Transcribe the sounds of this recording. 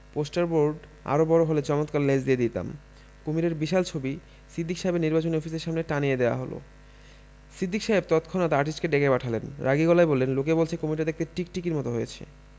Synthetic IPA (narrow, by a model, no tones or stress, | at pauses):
posʈaɾboɾɖ | a̰ɾobɔɾoɦolet͡ɕɔmot̪kalled͡ʑd̪ijed̪it̪a̰m | komiɾeɾbiʃalt͡ɕʰobi | sid̪ʱːikʃaɦebeɾniɾbat͡ɕoniɔfʰiseɾʃamneʈanijed̪eoa̰ɦolo̰ | sɾid̪ʱːikʃaeb̚t̪ɔt̪kʰonat̪aaɾʈisʈkeɖekʰepaʈʰalenɾʔaɡiɡɔlaebolːenlokebolt͡ɕʰekomiʈ̬ad̪ek̚ʰt̪eʈik̚ʈikiɾmɔt̪oɦojet͡ɕʰḛ